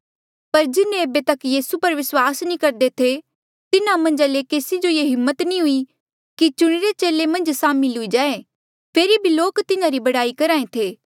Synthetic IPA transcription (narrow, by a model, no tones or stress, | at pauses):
pɐɾd͡ʒɪnẽeːbet̪ɐkjiːsupɐɾʋɪswaːsnĩkɐɾd̪et̪ʰe | t̪ɪnamɐ̃nd͡ʒalekeːsid͡ʒojeːɦɪmːət̪nĩɦʊi | kit͡ʃʊɽ̃iɾet͡ʃeːlemɐ̃nd͡ʒsaːmilɦʊid͡ʒaːe | pʰeːɾibʱiloːkt̪ɪnãɾibɐɽaːikɐɾaːẽt̪ʰeː